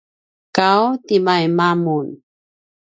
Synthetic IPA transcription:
kawtimajmamun

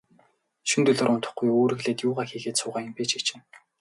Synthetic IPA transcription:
ʃunt̪ɵɮoːɾʊnt̪ə̆χɡujoːɾɘ̆ɣɮeːt̪jʊːʁaːxiːɣeːt̪sʊːʁăːmpeːt͡ɕit͡ɕĕːn

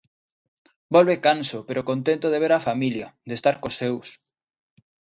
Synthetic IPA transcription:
bolβekansopeɾokont̪ent̪oðeβeɾafamiljod̪est̪aɾkosews

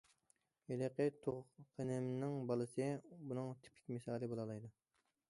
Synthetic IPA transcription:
eleqet̪ʰoʁqʰenɪmnɪŋbɑlˠɨsɨbunɨŋt̪ʰi̥pʰɪ̥kʲmɪsɑːlˠɨbolˠɑlˠɑjd̪u

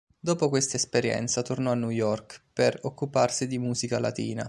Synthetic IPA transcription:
d̪oːpokwest̪aespeɾjɛ̰nt̪sat̪ornɔanːujɔrkperokːuparsid̪imuːzikala̰t̪ḭːna

